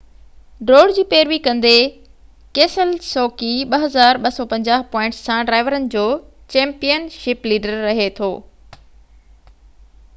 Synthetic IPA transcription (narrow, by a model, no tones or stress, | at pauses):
ɖɾoːɖd͡ʑiːpeːɾʋikɐ̃nd̪e | keːsəlsɔːkiɓɐɦɐzaːɾɓɐsɔpɐ̃ɲd͡ʑaːɦpɔːɪ̃ɳʈssãɖɾaːɪʋəɾənɪ̆d͡ʑoː | t͡ɕɛ̃ːmpijənʃɪpliːɖəɾːɐɦet̪ʰoː